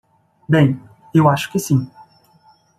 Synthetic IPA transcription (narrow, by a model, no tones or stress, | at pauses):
bẽj̃ | ewaʃʊ̥kɪsĩ